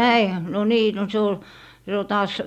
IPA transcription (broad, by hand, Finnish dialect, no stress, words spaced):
næihæ m no niː no se ol se ol tɑːs